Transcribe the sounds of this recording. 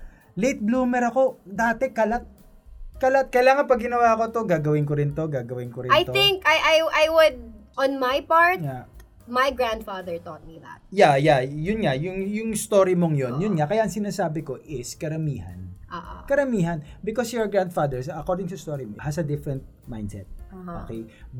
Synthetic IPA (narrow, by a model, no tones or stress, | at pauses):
lejt̪̚bluːmɛɾɐko̞d̪aːt̪ɛkɐlat̪̚ | kɐlat̪̚kɐjlaːŋɐnpɐɡɪnɐwaːʔɐko̞t̪o̞ɡaːɡɐwɪnkoɾɪnt̪o̞ɡaːɡɐwɪnkoɾɪajt̪oɪ̃ŋkajʔajʔajwʊd̪̚ʔɔ̃nmajpaɹt̪ja | majɡɹãnd̪faðəɹt̪ɔt̪̚miða̰t̪̚jajajʊnŋajʊŋjʊŋɪst̪oːɾimoŋjonjʊnŋakɐjaʔɐŋsɪnaːsaːbɪko̞ʔɪskɐɾɐmḭːhɐ̰nʔoʔkɐɾɐmiːɦɐnbɪkosjɔɹɡɹand̪fad̪ɛɹsɐkoɹd̪ɪŋsɐst̪oːɾimohɐsɐd̪ɪfɹɛnt̪̚ | ma̰jnd̪sɛ̰t̪̚ːo̰ːkej